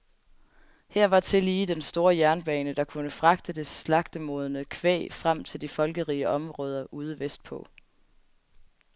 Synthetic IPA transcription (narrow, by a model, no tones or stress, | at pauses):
hæɐ̰ʋɑ̈t͡sʰe̝liːd̥ensd̥o̝ːɐjæɐnb̥ɛːnəd̥ɑ̈kʰunəfʁɑ̈ɡ̥d̥əd̥e̝slɑ̈ɡ̥d̥əmo̝ːð̞ˠənəkʰʋḛːfʁam̰t͡sʰe̝ld̥ifɒ̽lɡ̥əʁiːəʔɒ̽mʁɔ̽ːð̞ˠɐʔuːð̞ˠəʋesd̥̚pʰɔ̽